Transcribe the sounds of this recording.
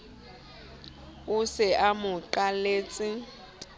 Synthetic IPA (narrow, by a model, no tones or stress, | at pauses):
ʊsɪʔamʊǃaleːt͡sʼɪ